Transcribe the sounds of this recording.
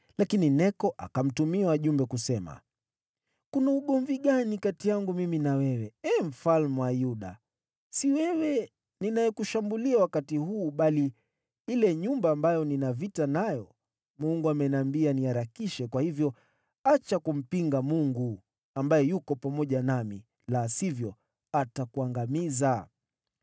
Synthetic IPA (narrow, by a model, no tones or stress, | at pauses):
lakininɛkɔʔa̰kam̩tumiawaʄumbɛkusɛma̰ | kunauɠɔɱviɠanikatijaŋɡumiminawɛwɛɛm̩falmuwajuɗa̰ | siwɛwɛ | ninajɛkuʃambuliawakatihuːɓali | ilɛɲumbaːmbajɔninavitanajɔ | muŋɡuamɛnambianiaɾakiʃɛkwahivjɔ | at͡ʃakum̩piŋɡamuŋɡu | ambajɛjukɔpamɔʄanamḭ | lasivjɔ | atakuaŋɡamiza